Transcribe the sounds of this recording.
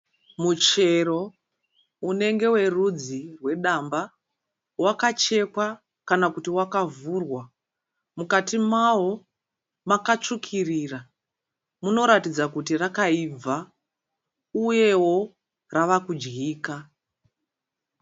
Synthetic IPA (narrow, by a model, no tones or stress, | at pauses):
mut͡ʃe̞ro̞ | une̞ŋɡe̞we̞rud͡zirwe̞ɗamba | wakat͡ʃe̞kwa | kanakutiwakavurwa | mukatimawo̞ | makat͡ʂukʰirira | muno̞ɾatid͡zakutirakaib͡va | uje̞wo̞ | raʋakud͡ʒɡiːka